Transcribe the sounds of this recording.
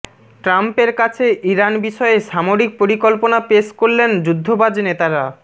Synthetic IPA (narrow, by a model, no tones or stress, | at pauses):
ʈɾampeɾkat͡ɕʰeʔiɾanbiʃɔeʃamoɾik̚poɾikolponapeʃkoɾlend͡ʑud̪ʱːobad͡ʑnet̪aɾa